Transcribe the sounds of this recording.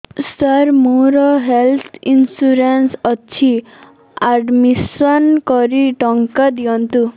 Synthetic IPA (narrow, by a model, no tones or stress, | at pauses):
səɾmuɾɔɦelt̪ʰinsuɾensɔt͡ʃʰi | aɖmisɔnkɔɾiʈɔŋkad̪ijɔnt̪u